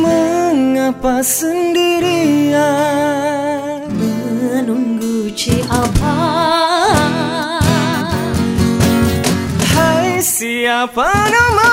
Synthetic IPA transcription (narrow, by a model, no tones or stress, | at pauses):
məŋapasəndiɾia | mə | nəmɡut͡ʃiʔapa | hajsiapanama